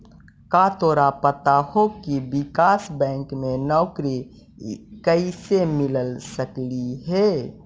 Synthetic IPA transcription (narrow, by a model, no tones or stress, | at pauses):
kat̪oːɾapət̪ahokibikasbɛ̃ŋkmenɔːkɾi | kəisemiləlsəkliɦe